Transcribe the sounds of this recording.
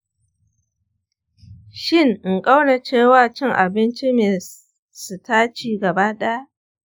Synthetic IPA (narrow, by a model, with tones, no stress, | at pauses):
ʃɪ˦ŋ˨ŋkʼa˦wne˨t͡ʃeː˦˨waː˨t͡ʃɪ˦˨ŋʔa̰˨bɪ˦nt͡ʃi˦meː˨ | su˨taː˦t͡ʃiː˦ɡɐ˨baː˦ɗa˦ja˦ʔ